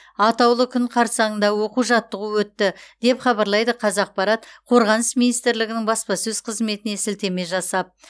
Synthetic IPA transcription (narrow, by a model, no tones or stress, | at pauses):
ɑt̪ɑwlˠəkʲʰʏɴqʰɑɾsɑɴənd̪ɑwo̞quʒɑt̪ːəʁəwɵt̪ːɪd̪̥e̞pχɑbɑɾlˠɑjd̪əqʰɑzɑq̚pɑɾɑt̪qʰo̞ɾʁɑnəsminijst̪ɪɾlɪɡʲɪnɪŋbɑspɑsɵz̥qʰəzme̞t̪ɪnesɪlt̪e̞me̞ʒɑsɑp̚